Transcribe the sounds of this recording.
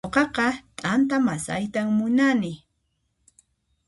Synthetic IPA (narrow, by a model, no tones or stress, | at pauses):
oqɑqɑtʼant̪amasa̰jt̪aŋmʊnanɪ